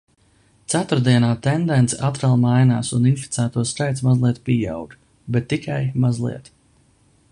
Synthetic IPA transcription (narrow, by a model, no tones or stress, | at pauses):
t̪sat̪uɾd̪iɛnaːt̪ɛnd̪ɛnt̪sʔat̪ɾalˠmajna̰ːsuninfi̥t̪sæːt̪uɔskajt̪smazlˠiɛt̪pija̰wɡ | bɛt̪ːikʰajmazlˠḭɛt̪